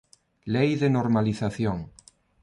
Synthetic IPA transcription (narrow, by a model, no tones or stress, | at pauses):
lejðenoɾmaliθaθjoŋ